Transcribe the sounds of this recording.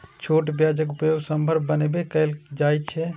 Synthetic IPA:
t͡ʃʰoʈbjad͡ʒəkupəjoɡsəmbʱəɾbbənebekəɪld͡ʒajt͡ʃʰɛ

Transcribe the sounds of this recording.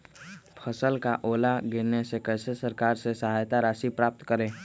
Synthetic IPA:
pʰəsəlkaʔoːlaɡeɾnesekɛːsesəɾkaːɾsesəɦaːjt̪aɾaːʃipɾaːp̚t̪kəɾẽː

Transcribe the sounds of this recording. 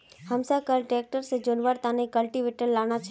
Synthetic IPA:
həmsakəlʈɾek̚ʈəɾsed͡ʒonʋaɾt̪ãnekəlʈiʋeʈəlːaɽ̃at͡ʃʰ

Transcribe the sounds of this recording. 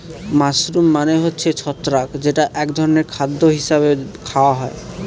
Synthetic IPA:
masɾumːaneɦotːɕʰet͡ɕʰɔt̪ːɾakd͡ʑeʈaʔɛkd̪ʱɔɾɔneɾkʰad̪ːoɦisaβekʰaoaɦɔe

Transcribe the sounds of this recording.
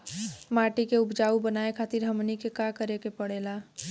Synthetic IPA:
maːʈikeʊpd͡ʒaubənaekʰat̪ɪɾɦəmnikekakəɾekepəɽela

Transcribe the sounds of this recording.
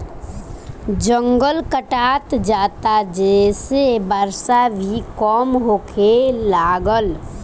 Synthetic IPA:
d͡ʒə̃ŋɡəlkəʈaːt̪d͡ʒaːt̪ad͡ʒɛːsebəɾsabʱikɔːmɦoːkʰelaːɡəl

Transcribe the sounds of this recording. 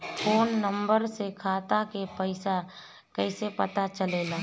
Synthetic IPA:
fʰoːnːə̃mbəɾsekʰaːt̪akepəɪsa | kɛɪsepət̪at͡ʃəleːlaː

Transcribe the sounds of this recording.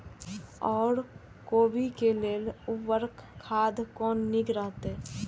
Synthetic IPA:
ɔːɾ | koːbikeleːlʊʋəɾkʰːaːd̪kɔːnniɡɾəɦt̪ɛː

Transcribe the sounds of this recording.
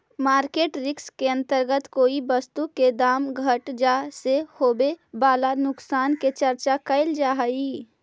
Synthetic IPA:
maːɾkeːʈɾɪkskeə̃nt̪əɾɡət̪koːibəst̪uked̪aːmɡʱəʈd͡ʒaːsehoːbebaːlanʊksaːnket͡ʃəɾt͡ʃakəɪld͡ʒaːɦəi

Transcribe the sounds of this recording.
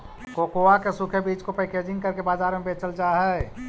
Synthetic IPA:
koːkoakesukʰebiːt͡ʃkopeːkeːd͡ʒɪ̃ŋɡkɐɾkebaːzaːɾmẽbeːt͡ʃəld͡ʒaːɦɛ

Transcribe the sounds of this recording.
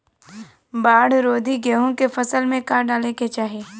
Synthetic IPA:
baːɽɾoːd̪ʱiɡɛɦõkefɐsəlmẽkaːɾɖaːleket͡ʃaːɦeː

